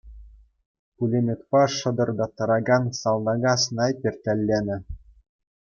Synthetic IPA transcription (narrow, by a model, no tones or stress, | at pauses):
pulʲemʲet̪pɑʂɤ̆d̪ɤ̆rd̪ɑt̪ːɤ̆ɾɑɡɑnsɑlˠnɑɡɑsnɑjpʲerʲt̪ʲælʲːenʲɘ̆